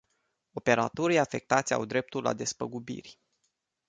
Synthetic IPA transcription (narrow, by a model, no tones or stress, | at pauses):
o̞pe̞ɾat̪oɾijafe̞k̚t̪at̪sʲa̰wd̪ɾe̞p̚t̪ulːa̰d̪e̞spəɡubḭrʲ